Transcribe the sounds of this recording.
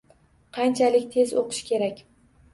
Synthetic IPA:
qʰɑnt͡ʃʰalɪkʲt̪ʰe̞zoqʰɨ̥ʃkʲʰe̞ɾakʲ

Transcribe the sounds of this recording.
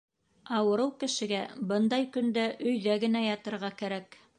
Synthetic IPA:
ɑwɤ̆ɾɤwkɘ̆ʃɘ̆ɡæbɤnd̪ɑjkɵ̆nd̪æʔɵ̆jðæɡɘ̆næjɑt̪ɤ̆ɾʁɑkæɾæk

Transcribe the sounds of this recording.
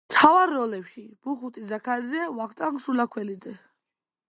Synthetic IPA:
t̪ʰavaɾːɔlɛpʃib̥uχut̪ʼizakʰaɾid̪zɛvaχt̪ʼaŋsulakʰwɛlid̪zɛ

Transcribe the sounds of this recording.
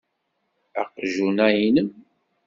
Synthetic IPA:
æ̰qʒunæjinəm

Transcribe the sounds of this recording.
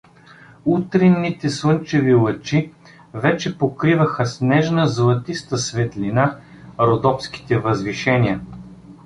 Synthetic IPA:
ut̪ɾinːit̪ɛslˠɤnt͡ʃɛvilˠət͡ʃi | vɛt͡ʃɛpokɾivəxəsnɛʒnəzlˠɐt̪ist̪əsvɛt̪lʲina | ɾod̪ɔpsk̟i̥t̪ɛvəzviʃɛniə

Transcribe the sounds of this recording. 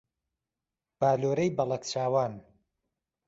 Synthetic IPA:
b̥aːloːɾejbɐlˠɐkt͡ʃʰaːwaːn

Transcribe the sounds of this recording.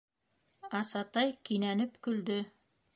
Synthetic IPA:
ɑsɑt̪ɑjkinænɘpkɵ̆ld̪ɵ

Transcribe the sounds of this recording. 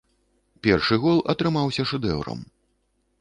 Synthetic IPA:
pʲɛrʂɨɣɔlˠɐ̰t̪ɾɨmawsʲɐʂɨd̪ɛ̰wɾɐ̰m

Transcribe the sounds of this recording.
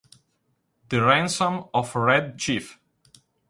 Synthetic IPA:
ðəɹæ̃nsɔ̃mɔfɹɛd̚t͡ʃif

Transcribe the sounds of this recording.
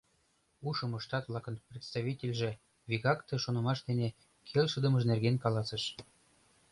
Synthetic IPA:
uʃɤ̆mɤʃt̪ɑt̪vlˠɑkɤ̆nprʲet̪st̪ɑβʲitʲelʲʒĕ | vʲiɣɑkt̪ɤ̆ʃonɤ̆mɑʃd̪ene | kʰelʲʃəd̪ɤ̆mɤ̆ʃnerɣenʲkɑlɑsə̆ʃ

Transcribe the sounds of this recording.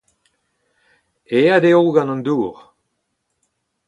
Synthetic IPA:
ead̪eowɡãnɔ̃nd̪uːʁ

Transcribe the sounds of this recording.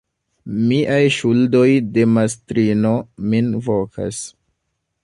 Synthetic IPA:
miʔajʃuldo̞jde̞mastɾino̞minvo̞kʰa̰s

